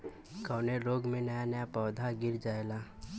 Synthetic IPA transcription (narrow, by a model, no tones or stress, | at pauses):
kɔːneɾoːɡmẽnəjanəjapɔːd̪ʱaɡɪɾd͡ʒaːelaː